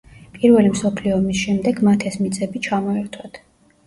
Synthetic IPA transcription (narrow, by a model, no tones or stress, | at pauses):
pʼiɾvɛlimsɔpʰliɔmisʃɛmd̪ɛɡmat̪ʰɛsmit̪sʼɛbit͡ʃʰamɔɛɾt̪ʰwat̪ʰ